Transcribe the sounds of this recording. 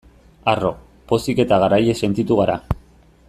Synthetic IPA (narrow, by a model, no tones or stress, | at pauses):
aro̞ | po̞sike̞t̪aɣaɾaje̞se̞nt̪it̪uɣ̞aɾa